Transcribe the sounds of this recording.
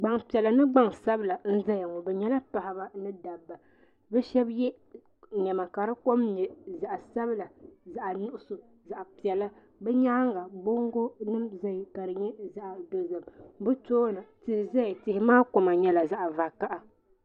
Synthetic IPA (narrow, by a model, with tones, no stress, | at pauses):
ɡ͡ba˨ŋpi˨ɛ˨la˨nɨ˦ɡ͡ba˦ŋsa˦bɨ˦la˨n̩˦za˦ja˨ŋɔ˨bɛ˨ɲɛ˦la˦pa˨ha˨ba˦nɨ˦da˨bːa˨ | bɛ˦ʃɛ˦bjɛ˦ | ɲɛ˨ma˨ka˨ɾɨ˦ko˦mɲɛ˨za˨ʔa˨sa˦bla˨za˨ʔa˨nʊ˦ʔʊ˦so˨ | za˨ʔa˨pi˨ɛ˨la˦ | bɛ˦ɲaː˦ŋɡa˨bo˦ŋ˦ɡo˦nɨ˦mza˦jka˨ɾɨ˨ɲɛ˦za˦ʔa˨do˨zɨ˨mbɨ˦toː˦nɨ˨tɨ˨za˦jtɪ˨hɪ˦maː˦ko˨ma˨ɲɛ˦la˨za˨ʔa˨va˨ka˦ʔa˦